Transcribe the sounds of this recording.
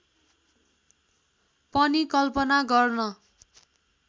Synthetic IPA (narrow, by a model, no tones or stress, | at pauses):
pʌnikʌlpʌnaɡʌrnʌ